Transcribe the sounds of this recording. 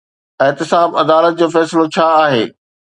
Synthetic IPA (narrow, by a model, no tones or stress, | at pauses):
ɪɦt̪ɪsaːbɐd̪aːlət̪̚d͡ʑoːfɛːsɪlot͡ɕʰaːaːɦḛː